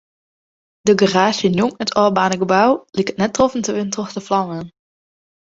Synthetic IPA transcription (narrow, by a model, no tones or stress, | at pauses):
dəɡəraːsjənjuŋətʰɔːbaːnəɡəbawlɪkətnɛtːrofəntəʋɪntroxtəflɑŋən